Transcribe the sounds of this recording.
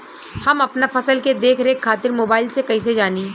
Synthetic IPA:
hɐmɐpnafɐsəlked̪eːkʰɾeekʰːaːt̪ɪɾmoːbaːɪlsekɐis̬ed͡ʒaːniː

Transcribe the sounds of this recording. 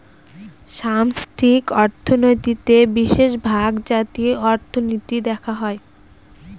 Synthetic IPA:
ʃamsʈʰikɔɾt̪ʰonojt̪it̪ebiʃeʃbʱaɡd͡ʑat̪iɔɾt̪ʰonot̪id̪ɛkʰaɦɔe

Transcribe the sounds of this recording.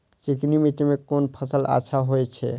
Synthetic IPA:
t͡ʃiknimit̪imekonpʰəsəlʔa̰ʃʰaɦojt͡ʃʰɛ̰

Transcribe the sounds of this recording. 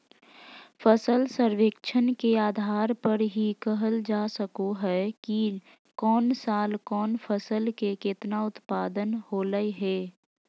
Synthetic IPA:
pʰəsəlsəɾʋeːkt͡ʃʰənkeaːd̪ʱaːɾpəɾɦikəɦəld͡ʒaːsəkoɦɛki | kɔːnsaːlkɔːnfʰəsəlkekɪt̪naʊt̪paːd̪ənhoːləiɦɛː

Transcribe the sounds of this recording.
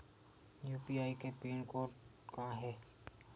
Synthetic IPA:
juːpiaːikepiːnkoːɾʈ | kaɦɛː

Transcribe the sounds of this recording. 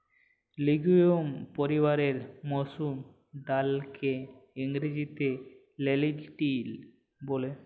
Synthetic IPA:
liɡujompoɾibaɾeɾmosum | d̪alkʰeiŋɾid͡ʑit̪e | lelid͡ʑʈil | bole

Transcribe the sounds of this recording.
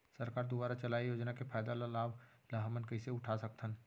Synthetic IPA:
sɐɾkaːɾd̪ubaːɾat͡ʃɐlaːijoːd͡ʒnakefʰaːjd̪alalaːb | lɐɦmənkəiseʊʈʰasɐk̚t̪ʰən

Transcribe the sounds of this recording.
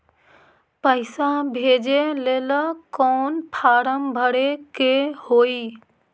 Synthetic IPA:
pəɪsãbʱeːd͡ʒeleːləkɔːnpʰaːɾəmbʱəɽekehoːiː

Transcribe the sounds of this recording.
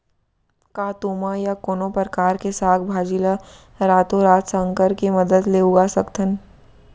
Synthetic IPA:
kaːt̪uːmajakoːnopəɾkaːɾkesaːk̪bʱaːd͡ʒila | ɾaːt̪oɾaːt̪səŋkəɾkemɐd̪əd̪leːuɡasɐkt̪ʰən

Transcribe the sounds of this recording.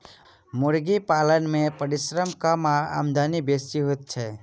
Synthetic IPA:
mʊɾɡipaːlənmẽpəɾɪsɾəmkamaa̰ːmd̪aːnibesiɦot̪̚t͡ʃʰɛ

